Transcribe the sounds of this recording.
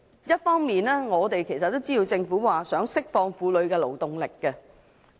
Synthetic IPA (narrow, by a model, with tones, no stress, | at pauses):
jɐ˥t̚fɔː˥ŋmiː˨nɛː˥ŋɔː˨˧t̪e˨jkʰe˨˩jsɐ˨t̪ːo˥wt͡siː˥ji˨˧wt͡sɪ˧ŋfuː˨˥waː˨˩sœː˨˥ŋsɪ˥k̚fɔː˧ŋfuː˨˧lɵ˨˧ɥkɛː˧lo˨˩wt̪ʊ˨ŋlɪ˨kːɛ˧